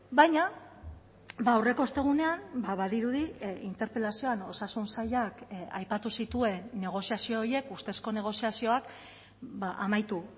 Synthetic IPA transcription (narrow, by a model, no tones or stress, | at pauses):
bajɲa | baːwre̞ko̞est̪e̞ɣ̞une̞ambaβaðiɾuðiint̪e̞ɾpe̞lasio̞ano̞sasunsaʎaka̰jpat̪usit̪ue̞nːe̞ɣ̞o̞siasio̞ːɾje̞kust̪e̞sko̞ne̞ɣ̞o̞siasio̞ak | baʔamajt̪u